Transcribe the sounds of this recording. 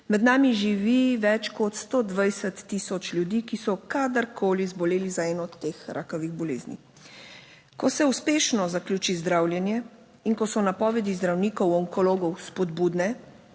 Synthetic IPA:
mɛd̪naːmiʒiʋiʋɛt͡ʃkɔt̪st̪od̪ʋajsət̪ːiːsɔt͡ʃlʲjud̪iːkisɔkad̪əɾkʰoːlizbɔleːlizaɛnɔt̪ːeːxɾʔa̰ːkɔʋiɣbɔleːznḭ | kɔsɛuspeːʃnɔzakljuːt͡ʃizd̪ɾaːwlʲjɛnjɛ | inkɔsɔnapɔːʋɛd̪izd̪ɾawniːkɔwɔŋkɔloːɡɔwspɔd̪buːd̪nɛ

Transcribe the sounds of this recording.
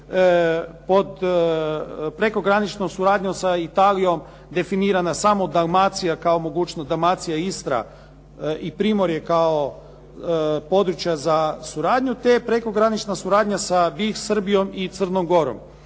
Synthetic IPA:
po̞d̪ | pɾeko̞ɡɾanit͡ʃnomsuɾaːd̪ɲosait̪aːlijo̞m | d̪e̞finiːɾanasamo̞d̪aɡmat̪sijakaomo̞ɡuːt͡ʃnosd̪aɡmat̪sijaist̪ɾa̰ | ipɾiːmo̞ɾjekao | po̞d̪ɾut͡ʃjazasuɾaːd̪ɲut̪epɾe̞ko̞ɡɾanit͡ʃnasuɾaːd̪ɲasabisr̩bijo̞mit̪srnomɡo̞ɾo̰m

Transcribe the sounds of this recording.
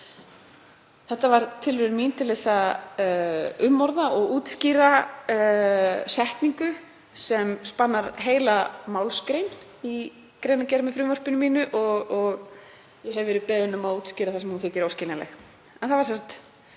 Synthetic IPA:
θɛht̪ːavaɾt̪ʰɪlvʏɾmin̥t̪ʰɪlːɛsa | ʏmːɔɾðaɔɣuːt̪sciɾa | sɛht̪niŋkʏ | sɛmspanːaɾɦeːjlamaːwlskɾejn | i | kɾeːjnacɛɾmɪfɾʏvɔr̥pɪnʏmiːnʏʔɔɣɔɣ | jɛɦɛvɛɾɪpɛːðɪnʏmaðuːt̪sciːɾaθasɛmhunθɪːc̪ɪɾowscɪlnalɛ̰x | ɛnθavaɾsɛnsḁt̪

